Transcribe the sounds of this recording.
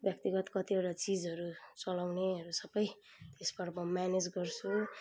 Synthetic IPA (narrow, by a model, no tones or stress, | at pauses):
bjʌk̚t̪iɡʌt̪kʌt̪ieʈat͡sid͡zɦʌɾut͡sʌlawneʌɾusʌbʌj | t̪esbʌɽmʌmaned͡zɡʌrt͡sʰu